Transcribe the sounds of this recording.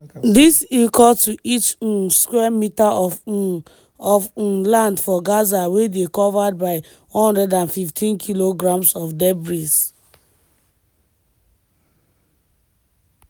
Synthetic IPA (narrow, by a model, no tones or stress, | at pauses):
disikɔtuʔit͡ʃũskwɛmita | ɔfũlãndfɔɡazawedekɔvad̚baɪ | hɔ̃nhɔ̃ndɛdãnfiftʰĩnkʰiloɡɹãmsɔfdɛbɹis